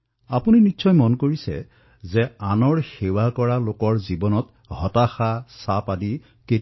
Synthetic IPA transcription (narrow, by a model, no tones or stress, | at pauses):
apuninitːʃɔjmɔnkoɹisɛ̰ | zɛanɔɹxewakɔɹalokɔɹzibɔnɔt | hɔtaxasapadi | ke